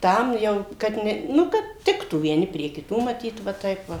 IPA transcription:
ˈtɐm jɛʊ kɐt ˈnʲɛ ˈnʊ kɐt ˈtʲɪktuː ʋʲiɛˈnʲɪ pʲrʲiɛ kʲɪˈtuː mɐˈtʲiːt ʋɐ ˈtɐɪp ʋɐ

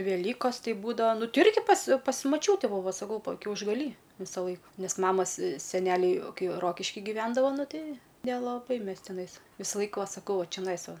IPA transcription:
ʋʲɛˈlʲiːkoːs ˈtʲɛɪ ˈbuːdɐʋɐ ˈnʊ ˈtʲɪ ˈɪrʲɡʲɪ pɐsʲ pɐsʲ mɐˈt͡ʃʲuːtʲɛ ˈbuːʋɐ sɐˈkɐʊ kʲɛʊʒɡɐˈlʲiː ˈʋʲɪsɐˌlˠɐɪk ˈnʲɛs ˈmɑːmɐs sʲɛˈnʲæːlʲɛɪ ˈkɐɪ ˈroːkʲɪʃʲkʲɪ ɡʲiːˈʋʲɛndɐʋoː ˈnʊ ˈtʲɛɪ nʲɛlˠɐˈbɐɪ ˈmʲɛs tʲɪˈnɐɪs ˈʋʲiːsɐˌlˠɐɪk ˈʋɐ sɐˈkɐʊ ˈʋɐ t͡ʃʲɛˈnɐɪs ˈʋɐ

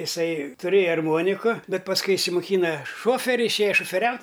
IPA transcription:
ɪˈsɐɪ tʊˈrʲeːjɛ ɐrˈmoːnʲɪkʊ ˈbʲɛt pɐsˈkʊɪ ɪʃʲsʲɪmoːˈkʲiːnɐ ˈʃoːfʲɛrʲɪ ɪʃʲˈeːjɛ ʃoːfʲɛˈrʲɛʊtʲ

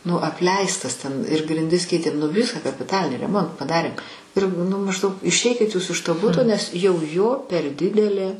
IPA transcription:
nʊ ɐpʲˈlʲɛɪstɐs tʲɛn ɪr ɡrʲɪnʲˈdʲɪs ˈkʲɛɪtʲeːm nʊ ˈʋʲɪsɑː kɐpʲɪˈtɑːlʲɪnʲiː rʲɛˈmoːntɑː pɐˈdɑːrʲeːm ˈɪr nʊ mɐʒˈdɐʊk ɪʃʲˈɛɪkʲɪt juːs ɪʃ toː ˈbʊtoː nʲɛs jɛʊ joː pʲɛr ˈdʲɪdʲɛlʲeː

